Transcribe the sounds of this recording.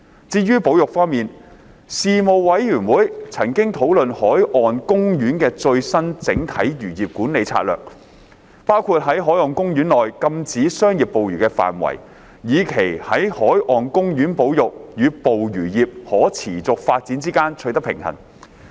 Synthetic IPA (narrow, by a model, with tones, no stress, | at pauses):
t͡siː˧jyː˥po˨˥wjʊ˨k̚fɔː˥ŋmiː˨n | siː˨˧mo˨wwɐ˨˥jɥyː˨˩nwuː˨˥jt͡sʰɐ˨˩ŋkɪ˥ŋt̪ʰo˨˥wlɵ˨nhɔː˨˥jʔɔː˨nkʊ˥ŋjyː˨˥nkɛː˧t͡ʃɵ˧ɥsɐ˥nt͡sɪ̰˨˥ŋt̪ʰɐ˨˥jjyː˨˩jiː˨p̚kuː˨˥nle˨jt͡sʰa̰˧t̚lœ̰ː˨k̚ | paː˥wkʰuː˧t̚ɦɐ˨˥jɦɔː˨˥jɔː˨nkʊ˥ŋɥyː˨˥nlɔː˨jkɐ˧mt͡siː˨˥sœː˥ŋjiː˨˩p̚po˨wjyː˨˩kɛː˧fa̰ː˨˩nwɐ̰˨˩j | jiː˨˧kʰe˨˩jhɐ˨˥jhɔː˨˥jʔɔː˨nkʊ˥ŋjyː˨˥npo˨˥wjʊ˨k̚jyː˨˧po˨wjyː˨˩jiː˨p̚hɔː˨˥t͡sʰiː˨˩t͡sʊ˨k̚faː˧t̚t͡si˨˥nt͡siː˥kaː˥nt͡ʃʰɵ˧jt̪ɐ˥pʰɪ̰˨˩ŋhɐ̰˨˩n